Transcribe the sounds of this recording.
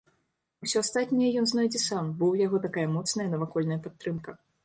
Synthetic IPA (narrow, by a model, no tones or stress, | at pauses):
usʲɔast̪at̪ʲnʲɐjɐjɔnznɔjd͡zʲɛsambɔwjaɣɔt̪akajɐmɔt̪snɐjɐnɐvakɔlʲnɐjɐpat̪ːɾɨmkɐ